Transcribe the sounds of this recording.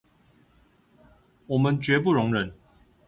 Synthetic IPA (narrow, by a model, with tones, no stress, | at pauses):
wɔ˨˩mə˦nt͡ɕɥɛ˧˥p̬u˥˨ɻʊ˧˥ŋɻə˧˨˦n